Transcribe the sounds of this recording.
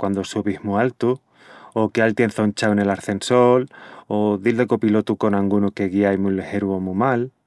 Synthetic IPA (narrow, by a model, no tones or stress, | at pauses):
kwand̪osuβihmualt̪u | okealt̪je̞nθont͡ʃawene̞laɾθe̞nso̞loðild̪e̞kopilot̪uko̞naŋɡunuke̞ɣiajmulehe̞ɾuomumal